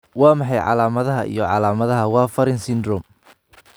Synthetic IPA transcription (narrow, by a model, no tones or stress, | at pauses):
wɑːmɑħɑjʕɑ̰laːmɐðɐɦɐʔḭjɔʕɑ̰laːmɐðɐɦɐwɑːfɐɾɪnsɪnd̪rɔm